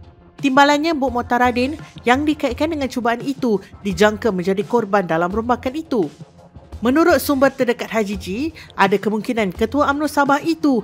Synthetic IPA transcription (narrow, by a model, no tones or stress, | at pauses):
t̪imbalanɲãbʊʔ̚mõt̪aɾadɪnjaŋdikait̪̚kandəŋãnt͡ʃubaʔanit̪udid͡ʒaŋkamə̃ɲd͡ʒadikɔrbandalamɾumbakanit̪u | mə̃nuɾʊt̪̚sumbərt̪ərdəkat̪̚ɦad͡ʒid͡ʒiʔadakəmuŋkinãnkət̪uaamnusabahit̪u